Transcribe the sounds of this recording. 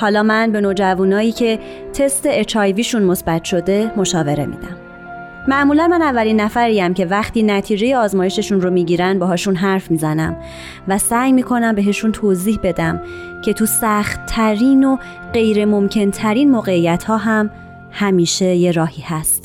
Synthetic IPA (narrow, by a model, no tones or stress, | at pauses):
hɒːlɒːmænbe̞nod͡ʒævunɒːjiːcʰe̞ | t̪ʰe̞st̪e̞et͡ʃʰɒjviːʃunmo̞sbæt̪ʰʃo̞d̪e̞mo̞ʃɒːve̞ɾe̞̰mḭːd̪æm | mæʔmuːlænmænævːæliːnːæfæɾijæmcʰe̞væxt̪ʰiːnæt̪ʰiːd͡ʒe̞jeɒːzmɒːje̞ʃe̞ʃunɾo̞miːɟiːɾænbɛɦɒːʃunɦæɾfmiːzænæ̰m | væsæjmiːkʰo̞næmbe̞ɦe̞ʃunt̪ʰoːziːhbe̞d̪æm | cʰe̞t̪ʰusæxt̪ʰːæɾiːno̞ | ɢe̞jɾe̞mo̞mcʰe̞nt̪ʰæɾiːnmoːɣe̞ijæt̪hɒːɦæm | hæmiːʃe̞je̞ɾɒːhiːhæst̪